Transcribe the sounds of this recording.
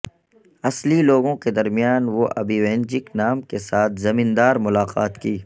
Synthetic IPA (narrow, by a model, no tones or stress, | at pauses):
ɐsliloːɡõked̪ɐɾmijaːnʋoʔɐ̰biːʋẽːnd͡ʒɪknaːmkesaːt̪ʰzɐmĩnd̪aːɾmʊlaːqa̰ːt̪kiː